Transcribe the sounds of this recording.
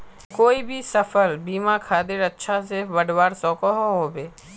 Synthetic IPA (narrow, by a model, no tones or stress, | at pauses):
koːibʱisəfʰəlbiːmãkʰaːd̪ɪɾətːʃʰaseʋəɖwaːɾsɔ̃ːkoɦoɦoːbeː